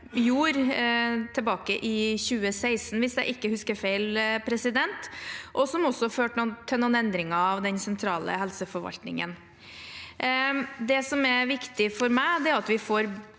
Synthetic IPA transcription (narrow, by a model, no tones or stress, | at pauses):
juːɾ | t̪ʰɛbɑːkəʔɪçʉːəsæɪsnʋɪsd̪ɛɪʔɪkːəhʉskəɾfeɪlpʰɾɛsɪd̪ɛnt̪ʔɔsɔmɔsːɔɑføːʈnɔt̪ʰːɛnɔnɛnd̪ɾɪŋɑɑʋd̪ɛnsɛnt̪ʰɾɑːlə̰hɛlsəfɔɾʋɑ̰lt̪nɪ̰ŋə̰n | d̪ɛsɔmɛʋɪkt̪ɪfɔɾmæɪd̪ɛæɾɑt̪ʋɪfoːɾ